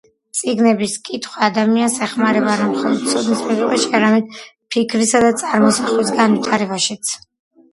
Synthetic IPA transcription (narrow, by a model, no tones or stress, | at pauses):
t̪sʼiɡnɛbiskʼit̪ʰχwaːd̪amiansɛχmaɾɛbaɾamχɔlˠɔd̪̚t̪sʰɔd̪nismɛɾuχʼɛʃiaɾamɛd̪̚ | pʰikʰɾisad̪at̪sʼaɾmɔsaχlisɡanvit̪ʰaɾɛbaʃit̪sʰ